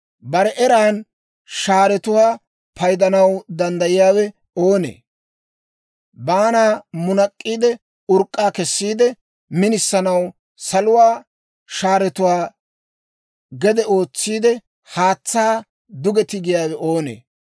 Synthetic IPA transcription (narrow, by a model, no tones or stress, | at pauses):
bɐɾɛʔɛɾaːn | ʃaːɾɛt̪ʊwaː | pʰɐjd̪ɐnɐwd̪ɐnd̪ɐjɪjaːwɛ | oːnḛː | baːnaːmʊnɐkʼːiːd̪ɛ | ʊɾkʼːaːkɛsːiːd̪ɛ | mɪnɪsːɐnɐw | sɐlʊwaː | ʃaːɾɛt̪ʊwaː | ɡɛd̪ɛo̞ːt͡sːiːd̪ɛ | haːt͡sːaː | d̪ʊɡɛt̪ɪɡɪjaːwɛʔoːnḛː